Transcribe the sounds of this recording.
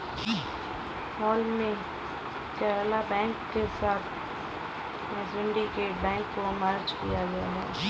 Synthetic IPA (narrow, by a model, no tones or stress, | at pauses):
hɔːlmẽ | kɛːɾlabɛ̃ːŋkːesaːt̪ʰ | mɛzɪ̃ɳɖikebɛ̃ːŋkːomaːɾd͡ʒkḭjaɡajaɦɛː